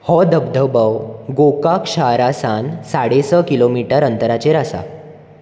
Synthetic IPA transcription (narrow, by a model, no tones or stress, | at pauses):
hɔd̪əbd̪ʱəbəwɡokakɕaɾasansaɽesəkilomiʈəɾənt̪əɾat͡ɕeɾasa̰